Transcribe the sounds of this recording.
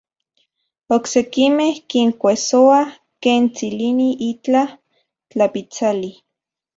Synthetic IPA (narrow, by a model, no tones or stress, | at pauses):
oksekimehkiŋkʷesoa | keːnt͡siliniʔit͡ɬa | t͡ɬapit͡sali